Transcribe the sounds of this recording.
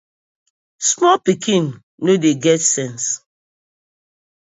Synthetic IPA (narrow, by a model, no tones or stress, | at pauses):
smɔlpikʰĩnː | odeɡɛtsɛ̃ns